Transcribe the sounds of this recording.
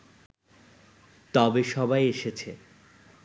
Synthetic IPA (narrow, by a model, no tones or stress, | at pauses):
t̪ɔbeʃɔbajeʃet͡ɕʰe